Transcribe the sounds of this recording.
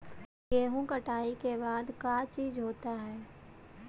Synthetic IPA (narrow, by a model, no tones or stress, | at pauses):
jeːɦũkəʈaːikebaːd̪kaːt͡ʃiːzɦoːt̪aɦɛː